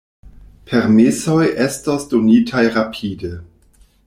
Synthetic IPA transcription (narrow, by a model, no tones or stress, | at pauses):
pʰeɾmiso̞jʔestasdo̞nitʰajɾapʰide